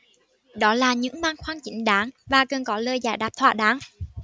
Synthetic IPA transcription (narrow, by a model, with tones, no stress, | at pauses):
ɗɔ˨˦laː˨˩ɲɨ̰˧˥ŋmaː˧ŋxwaː˧ŋt͡ɕi˨˦ŋ̟ɗaː˨˦ŋvaː˨˩kə˨˩nkɔ˨˦ləː˧jzaː˧˨˩jɗaː˨˩p̚t̪ʰwa̰ː˧˨ɗaː˨˦ŋ